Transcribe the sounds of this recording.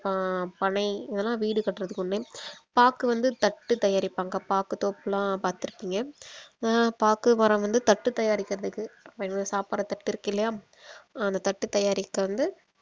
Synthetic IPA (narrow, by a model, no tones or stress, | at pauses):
ppɐɳɐɪɪðɐlãːʋiːɽɯkɐʈːɾɐðɯkːʊnːeːpaːkːɯʋɐnd̪ɯt̪ɐʈːɯt̪ɐjaːɾɪpːaːŋɡɐpaːkɯt̪oːpːɯlãːpaːɾt̪ɪɾɯpːiːŋɡɐ | paːkɯʋɐɾɐ̃ʋɐnd̪ɯt̪ɐʈːɯt̪ɐjaːɾɪkːɪɾɐðɯkːɯɐpːɐnsaːpɐɾɐt̪ɐʈːɪɾɯkːɪlːɐjaː | ɐnd̪ɐt̪ɐʈːɯt̪ɐjaːɾɪkːɐʋɐnd̪ɯ